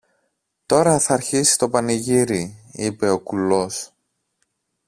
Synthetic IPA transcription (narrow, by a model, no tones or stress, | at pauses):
t̪o̞ɾɐθɐːɾçisi̥t̪o̞pɐniʝiɾiipe̞o̞kulo̞s